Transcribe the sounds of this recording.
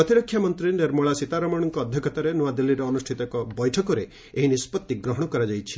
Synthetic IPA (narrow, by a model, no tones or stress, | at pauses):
ɔt̪iɾɔkʰːjamɔnt̪ɾineɾmɔɭasit̪aɾɔmɔɽ̃ɔŋkɔːd̪ʱjɔkɔt̪aɾenuwad̪ilːiɾɔɔnusʈʰit̪ɔkɔbɔjʈʰɔkɔɾeː | ɦinispɔt̪ːiɡɾɔɦɔɽ̃ɔkɔɾad͡ʒajt͡ʃʰi̥